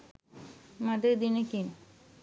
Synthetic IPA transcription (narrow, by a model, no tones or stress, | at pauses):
mad̪eɾd̪inekin